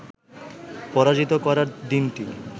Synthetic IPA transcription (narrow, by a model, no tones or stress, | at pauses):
pɔɾad͡ʑit̪okɔɾaɾd̪inʈi